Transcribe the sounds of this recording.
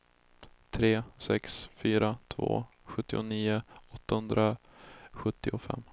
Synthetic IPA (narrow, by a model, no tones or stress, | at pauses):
t̪ʰɾeːsɛksfyːɾat̪ʰvo̰ː | ɧɵt̪ːɪʊniːʊɔt̪ːahɵnd̪ɾa | ɧɵt̪ːɪʊfɛ̰mː